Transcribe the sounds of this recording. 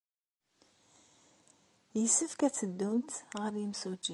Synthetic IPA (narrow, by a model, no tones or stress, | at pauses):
jəsəfkæt͡sːəd̪ːumt̪ʁəɾjəmsud͡ʒi